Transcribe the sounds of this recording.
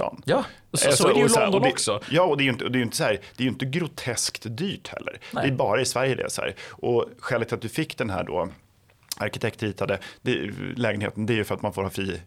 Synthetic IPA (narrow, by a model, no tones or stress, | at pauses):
ɔ̰n | ɛsɔdɛld̪ɔd̪ksɔjɑːɔd̪ɛæɾjʏnt̪əɔd̪ɛjɵʏnt̪ə̥sɔhæːɾd̪̥ɛæːjʏʏnt̪əɡɾʊt̪ʰɛskt̪d̪yːʈhɛ̰lːə̰ɾd̪ɛæɾbɑːɾaɪsvæɾjəd̪ɛ̰sɔhæ̰ːɾʔɔɧɛːlɪt̪at̪̚d̪ɵfɪkːd̪ɛnɦæ̰ːɖo̰ | a̰ɾkɪt̪ʰɛkt̪ɾiːt̪ʰad̪əd̪̥ɛlɛːɡənhḛːt̪ənd̪ɛæɾjɵfœɾat̪manfoːɾhɑːfɾiː